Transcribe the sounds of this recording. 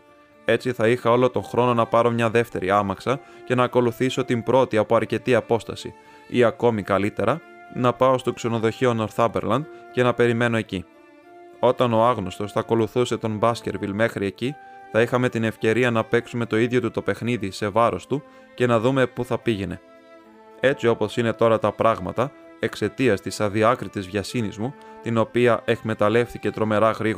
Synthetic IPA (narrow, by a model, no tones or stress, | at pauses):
e̞t͡siθɐixɐo̞lo̞t̪õ̞xɾo̞no̞nɐpɐɾo̞mɲɐðe̞ft̪e̞̰ɾiɐmɐksɐce̞nɐːko̞luθiso̞t̪imbɾo̞t̪iɐpoɐɾce̞t̪iɐpo̞st̪ɐ̰sḭ | ḭɐko̞mikɐlit̪e̞ɾɐ | nɐpɐost̪okse̞no̞ðo̞çiono̞ɾθɐmbe̞̰ɾlɐnd̪ce̞nɐpe̞ɾime̞no̞e̞ci | o̞t̪ɐno̞ɐɣno̞st̪o̞sθɐko̞luθuse̞t̪o̞mbɐsce̞ɾvilme̞xɾie̞ciθɐixɐme̞t̪ine̞fce̞ɾiɐnɐpe̞ksume̞t̪o̞iðʝo̞t̪ut̪o̞pe̞xniðise̞vɐɾo̞st̪u | ce̞nɐðume̞puθɐpiʝene̞̰ | e̞t͡sio̞po̞sine̞t̪o̞ɾɐt̪ɐpɾɐɣmɐt̪ɐ | e̞kse̞t̪iɐst̪isɐðiɐkɾit̪izvʝɐsinizmut̪ino̞piɐʔe̞kme̞t̪ɐle̞fθice̞t̪ɾo̞me̞ɾɐɣɾiɣ